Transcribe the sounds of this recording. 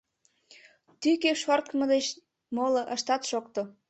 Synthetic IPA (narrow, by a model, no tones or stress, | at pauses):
t̪ykeʃort̪mə̆d̪et͡ɕ | moloʔəʃt̪ɑt̪ʃokt̪o